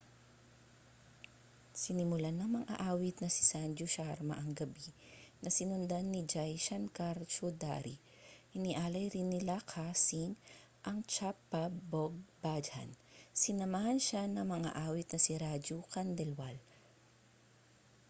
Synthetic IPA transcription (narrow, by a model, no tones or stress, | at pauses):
sɪnɪmʊlanɐŋmɐŋʔa̰ʔaːwɪt̪̚nɐsɪ̥sand͡ʒoʃaɾmɐ̰ʔɐŋɡɐbi | nʔɐsɪnʊnd̪anːid͡ʒajʃɐnkaɾt͡ʃod̪a̰ɾi | ʔɪniʔaːlɐjɾɪnːɪlakʰasɪŋ | ʔɐŋt͡ʃapːɐboɡ̚bad͡ʒhɐ̰n | sɪnɐmahɐnʃanɐŋmɐŋa̰ʔaːwɪt̪̚nɐsiɾad͡ʒokɐnd̪ɛlwal